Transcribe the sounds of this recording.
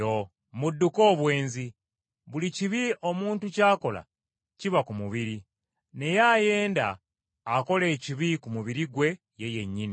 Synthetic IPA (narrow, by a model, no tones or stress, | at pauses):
o | mudːuko̞ːβwe̞ːnzi | βuliciβio̞muːntucaːko̞la̰ | ciβakumuβiɾi | ne̞jaːje̞ːnda̰ː | ko̞le̞ːciβikumuβiɾiɡwe̞ | je̞je̞ɲːini